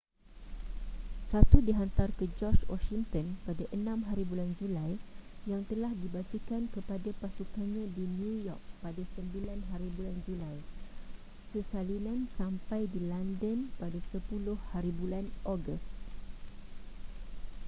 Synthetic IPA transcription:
sat̪udiɦant̪arkəd͡ʒɔt͡ʃwɔ̰ʃiŋt̪ənpadaʔənãmɦaɾibuland͡ʒulajjaŋt̪əlahdibat͡ʃikankəpadapasukanɲãdinjujɔk̚padasəmbilanɦaɾibuland͡ʒulaj | səsalilansampajdilandənpadasəpulʊhhaɾibulanɔɡəst̪

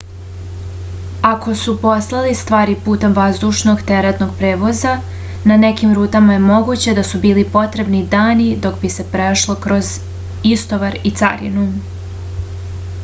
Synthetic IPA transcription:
ako̞supo̞slˠalist̪ʋaːɾipuːt̪e̞mʋazd̪uʃno̞ɡt̪eɾet̪no̞ɡ̚pɾe̞ːʋo̞za | nane̞kimɾuːt̪amaje̞mo̞ɡut͡ɕe̞d̪asubiːlipo̞t̪ɾe̞bnid̪aːnid̪o̞kbise̞pɾeʃlˠo̞kɾo̞z | ist̪o̞ʋaɾit̪sa̰ɾḭnu

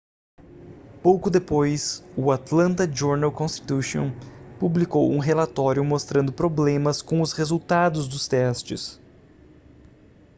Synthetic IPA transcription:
powkʊd̪epojsʊat̪lɐ̃nt̪ɐd͡ʒoɾnawkõst͡ʃ̪i̥t̪uʃõ̰publikowũɦelat̪ɔɾjʊmost̪ɾɐ̃nd̪ʊpɾoblẽmɐskõw̃ʊshezuwt̪ad̪ʊzd̪ʊst̪ɛst͡ʃɪ̰s

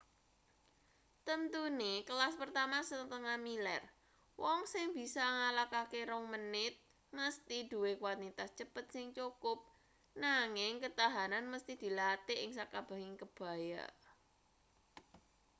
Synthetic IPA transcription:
t̪ənt̪unekəlaspərt̪amasət̪t̪əŋamilɛr | wɔŋsɪŋb̥i̤sɔŋalakakeɾɔŋmənɪt̪̚ | məst̪id̪̥ṳwekwanit̪ast͡ʃəpət̪̚sɪŋt͡ʃukʊp̚ | naŋɪŋkət̪aɦananməst̪id̪̥i̤lat̪eʔɪŋsakab̥ä̤ɦɪŋkəb̥a̤ja̰

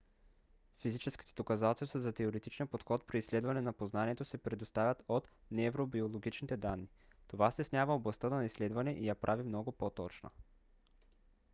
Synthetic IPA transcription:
fizit͡ʃɛsk̟i̥t̪ɛ̥d̪okɐzat̪ɛlʲˠst̪azɐt̪ɛoɾɛt̪it͡ʃnijəpot̪xɔt̪̚pɾiːsːlɛd̪vɐnɛnɐpoznaniɛt̪osɛpɾɛd̪ost̪avʲət̪ot̪ | nɛɛvɾobiolˠoɡit͡ʃnit̪ɛd̪anːi | t̪ovast̪ɛsnʲavəoblˠɐst̪ənnɐisːlɛd̪vɐnɛʔijapɾʔavimnɔɡʊpot̪ɔt͡ʃnə̰

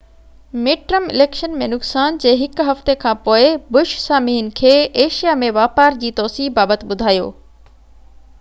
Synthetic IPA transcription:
meːʈɾəmɪ̰leːkʃənmẽnʊksaːnd͡ʑeːɦɪkɦɐft̪ekʰãːpoːɪbʊʃsaːmiːnɪ̆kʰeːeːʃijamẽʋaːpaːɾd͡ʑiːt̪ɔːsiːɦbaːbət̪ɪ̆ɓʊd̪ʱaːjo̰ː

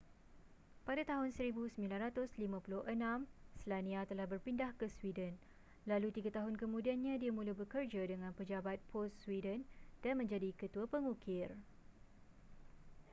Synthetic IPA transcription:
padat̪aɦʊnsəɾibusəmbilanrat̪ʊslimãpulʊhʔənãmslanĩat̪əlahbərpindahkəswidən | lalut̪iɡat̪aɦʊnkəmũdianɲãdiamũluhbəkərd͡ʒadəŋãnpəd͡ʒabat̪̚pʰɔssːwidənd̥anmə̃ɲd͡ʒadikət̪uapəŋukɪr

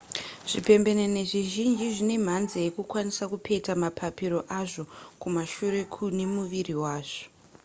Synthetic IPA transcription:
ʐ̥ipe̞mbe̞nene̞ʐiʒind͡ʒiʐine̞m̤anzejekukwanisakupe̞tamapʰapiɾo̞ʔaʐo̞kumaʃuɾe̞kʰunemuʋiriwaːʐo̥

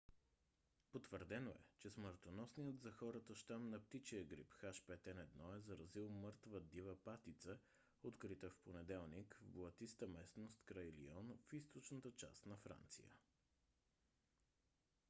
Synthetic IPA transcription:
pot̪vəɾd̪ɛnoɛ̰t͡ʃɛsməɾt̪onɔsnijət̪zɐxɔɾət̪əʃt̪amnɐpt̪it͡ʃiəɡɾḭpxaʃpɛt̪ɛnɛd̪nɔɛzɐɾɐzilˠmɤɾt̪vəd̪ivəpat̪it̪sə | ot̪kɾit̪əfponɛd̪ɛlˠnikvblˠɐt̪ist̪əmɛsnost̪kɾajlḭɔnfist̪ot͡ʃnət̪ət͡ʃa̰st̪nɐfɾa̰nt̪sḭjə̰

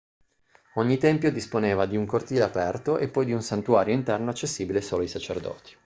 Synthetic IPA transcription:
oɲːit̪ɛmpjod̪isponeːvad̪iuŋkort̪iːleapɛrt̪oʔepːɔjd̪iunsant̪uaːɾjoint̪ɛrnoat͡ʃːesːiːbilesoːloisat͡ʃerd̪ɔ̰ːt̪i̥

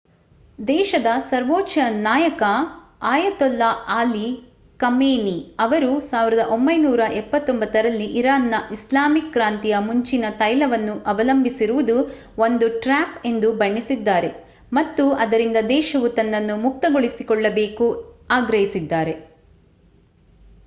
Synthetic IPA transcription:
d̪ɛːʃɐd̪ɐsɐɾʋoːt͡ʃɐnaːjɐkɐ | aːjɐt̪ɔlːɐaːli | kɐmeːniɐʋɐɾusaːʋiɾɐd̪ɐʔo̞mbɐjnuːɾɐʔɛpːɐt̪ːombɐt̪ːɐɾɐlːiʔiɾaːnːɐʔislaːmikːɾaːnt̪ijɐmuɲt͡ʃinɐt̪ɐjlɐʋɐnːuʔɐʋɐlɐmbʱisiɾuʋud̪u | o̞nd̪uʈɾaːpe̞nd̪ubɐɳːisid̪ːaːɾe̞ | mɐt̪ːuɐd̪ɐɾind̪ɐd̪ɛːʃɐʋut̪ɐnːɐnːumuk̚t̪ɐɡoɭisikɔɭːɐbe̞ːkuaːɡɾɐɦisid̪ːaːɾe̞

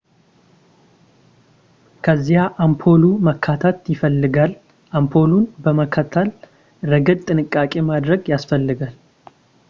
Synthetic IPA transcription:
kʰəzːihaʔampʰo̞luməkʰːat̪ʰat̪jɪfəlːɨɡal | ʔampʰo̞lunbəməkʰːat̪ʰːal | ɾəɡəd̪t̪ʼɨnɨkʼːakʼe̞mad̪ɾəɡjasfəlːɨɡal

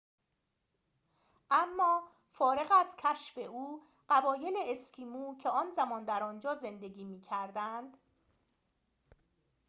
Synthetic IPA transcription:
ʔæmːɒː | fɒːɾe̞ɣæzcʰæʃfeʔuː | ɢ̥ævɒːje̞leescʰiːmuːcʰeɒːnzæmɒːnd̪æɾɒːnd͡ʒɒːze̞nd̪e̞ɡiːmiːcʰæɾd̪ænd̪̥

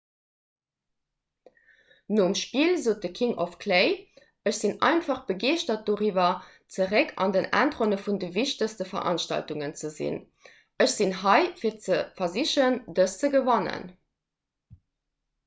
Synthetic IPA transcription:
noːumʃpiːlzoːt̚dəkʰiŋʔɔfkʰleɪ | əɕz̥inɑ̰ɪnfɑχb̥əɡeːʃtɐt̚d̥oːʁiːvɐ | t͡səʁɛkʰɑ̰ndənʔæ̰ːntʁonəfundəviʃtəstəfɐ̰ʔɑ̰nʃtɑ̰ltuŋənt͡səzḭn | ʔəʃz̥inɦɑɪfiːɐt͡səfɐziɕəəndəst͡səɡəvɑnə̰n

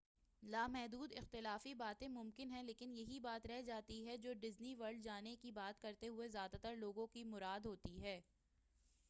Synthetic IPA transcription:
laːmɛɦd̪uːd̪ɪxt̪ɪlaːfibaːt̪ẽmʊmkɪnɦɛ̃leːkɪnjɐɦibaːt̪ɾɛɦd͡ʒaːt̪iɦɛd͡ʒoːɖɪzniʋɐɾɖ̚d͡ʒaːnekibaːt̪kɐɾt̪eɦʊezjaːd̪at̪əɾloːɡõkimʊɾaːd̪ɦoːt̪iɦɛː

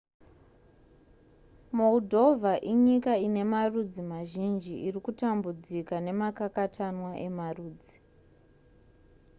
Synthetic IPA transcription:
moudʱo̞vʱaʔiɲikaine̞marud͡zimaʒind͡ʒiʔirikutambud͡zikane̞makakatʰanwaʔe̞maruːd͡zi

